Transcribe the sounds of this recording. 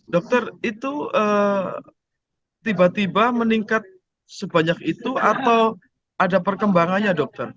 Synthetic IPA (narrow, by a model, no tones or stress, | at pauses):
dɔk̚t̪ərit̪uə | t̪ibat̪ibaməniŋkat̪̚ | səbaɲakit̪uat̪aw | adapərkəmbaŋanɲadɔk̚t̪ɔr